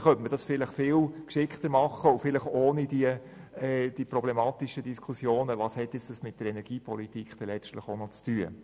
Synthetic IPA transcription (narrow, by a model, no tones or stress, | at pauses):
χœntməd̥ɑsfɪləχfɪːlkʃɪχt̪əɾmɑχəʊfɪləχoːnid̥iə | ɛd̥ipɾɔb̥lɛmɑːt̪iʃədiskʰusjoːnəʋɑːshɛt̪jɪt͡səsmɪt̚d̥əɾɛnɛɾɡ̥iːpʰɔlitikχd̥ɛlɛt͡ʃtləχonɔt͡styə